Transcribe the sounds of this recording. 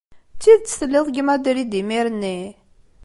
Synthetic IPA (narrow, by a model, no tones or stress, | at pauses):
t͡sːiðt͡sːə̥θəlːɪðˤɡəmæd̪iɾid̪imiɾənːi